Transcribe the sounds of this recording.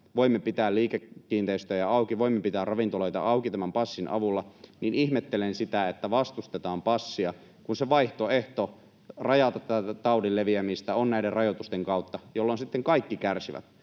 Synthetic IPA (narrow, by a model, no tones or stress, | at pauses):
ʋoimːepit̪æːlliːkekːiːnt̪eist̪øjɑɑukiʋoimːepit̪æːrrɑʋint̪olojt̪ɑ̰ʔɑukit̪æmæmpɑsːinʔɑ̰ʋulːɑninihmet̪ːelensit̪æet̪ːæʋɑst̪ust̪et̪ɑːmpɑsːiɑ | kunseʋɑiht̪oeht̪o | rɑjɑt̪ɑt̪ːæt̪ɑudilleʋiæmist̪æonnæiderrɑjot̪ust̪eŋkɑut̪ːɑjolːonsit̪ːeŋkɑikːikærsiʋæ̰t̪